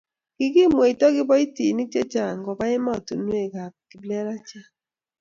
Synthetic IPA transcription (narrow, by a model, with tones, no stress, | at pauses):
ɡ̥ɪ˦ɡi˦˨m˨e˨i˨tɔ˦ɡɪ˦bɔ˦i˦ti˨ni˦t͡ʃe˦t͡ʃa˨ŋ˨ɡɔ˨ba˦ɪ˦ma˦˨tu˨n˦e˦˨ɡa˨ki˨blɛ˦ɾa˦t͡ʃa˦